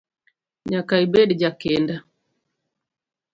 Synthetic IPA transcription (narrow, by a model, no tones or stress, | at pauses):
ɲakaibɛdid͡ʒakɛnda